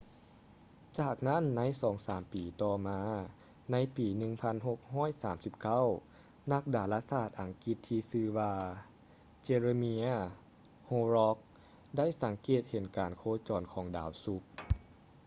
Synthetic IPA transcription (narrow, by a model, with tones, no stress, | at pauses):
t͡ɕaː˨˩k̚na˦˥˨nːa˧˥˨jsɔː˩˦ŋsaː˩˦mpiː˨˩t̪ɔː˧˩maː˧ | na˧˥jpiː˨˩nɯ˧ŋpʰa˧˥˨nɦo˧˩k̚hɔː˥˩˨jsaː˩˦msi˧˦p̚ka˥˨w | na˧˥k̚daː˨˩laː˧˥saː˧˩t̪̚ʔa˨˩ŋki˧˦t̪ʰːiː˧sɯː˧waː˧ | t͡ɕe˧ɾe˧mi˧˥ | hoː˧ɾɔ˧˥k̚ | da˥˩˨jsa˩˦ŋkeː˨˩t̪̚he˨˦nkaː˨˩nkʰoː˧˥t͡ɕɔː˨˩nkʰɔː˩˦ŋdaː˨˦wsu˧˦p̚